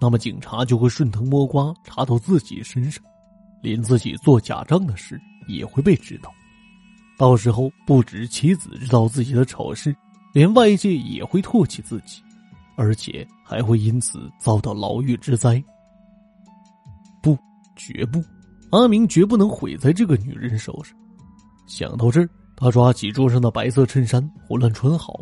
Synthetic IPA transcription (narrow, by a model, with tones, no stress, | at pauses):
na˥˩mə˨˩t͡ɕi˨˩ŋʈ͡ʂʰa˧˥t͡ɕjo˥˧ʊxwe˥˧ɪʂwə˥˩nt̪ʰɤ˧˥ŋmwɔ˥kwa˥ʈ͡ʂʰa˧˥t̪o˧˥ʊt͡sɹ̩˥˩t͡ɕḭ˨˩əʂə˥nʂɑ̥˥˩ŋ | ljɛ˧˥nt͡sɹ̩˥˩t͡ɕḭ˨˩t͡swɔ˥˩t͡ɕja̰˨˩ʈ͡ʂɑ˥ŋd̪ə˨ʂɻ̩˥˩ | jɛ̰˨˩xwe˥˧ɪpe˥˩ɪʈ͡ʂɻ̩˥t̪ɑ˥˩ʊ | t̪ɑ˥˩ʊʂɻ̩˧˥xo˥˧ʊpu˥˩ʈ͡ʂɻ̩˨˩t͡ɕʰi˧˥t͡sɹ̩̰˨˩ʈ͡ʂɻ̩˥t̪ɑ˥˧ʊt͡sɹ̩˥˩t͡ɕi˨˩d̪ə˦ʈ͡ʂʰo̰˨˩ʊʂɻ̩˥˩ | ljɛ˧˥nwa˥˧ɪi˥˧t͡ɕjɛ˥˩jɛ̰˨˩xwe˥˧ɪt̪ʰwɔ˥˧t͡ɕʰi˥˩t͡sɹ̩˥˩t͡ɕi̥˨˩˦ | ə˞˧˥t͡ɕʰjɛ̰˨˩ | xa˧˥ɪxwe˥˩ɪi˥nt͡sʰɹ̩̰˨˩t͡sɑ˥˧ʊt̪ɑ˥˩ʊlɑ̰˧˥ʊy˥˩ʈ͡ʂɻ̩˥t͡sa˥ɪ | pu˥˩ | t͡ɕɥɛ̰˧˥p̬u˥˩ | a˥mi˧˥ŋt͡ɕɥɛ˧˥p̬u˥˩nɤ˧˥ŋxwe˧˥ɪt͡sa˥˧ɪʈ͡ʂɤ˥˩ɡə˩ny̰˨˩ɻə˧˥nʂo̰˨˩ʊʂɑ̥˥ŋ | ɕjɑ̰˨˩ŋt̪ɑ˥˧ʊʈ͡ʂɤ˥˧˩ | t̪ʰa˥ʈ͡ʂwa˥t͡ɕʰi˨˩ʈ͡ʂwɔ˥ʂ̬ɤ˥ŋd̪ə˨˩pa˧˥ɪsɤ˥˧ʈ͡ʂʰə˥˩nʂa˥nxwlwa˥˩nʈ͡ʂʰwə˧˥nxɑ˨˩˦ʊ